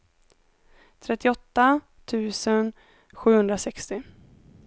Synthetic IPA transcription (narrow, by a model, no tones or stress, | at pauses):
t̪ʰɾɛt̪ːɪɔt̪ːa | t̪ʰʉ̟ːsən | ɧʉ̟ːhɵnd̪ɾasɛkst̪ɪ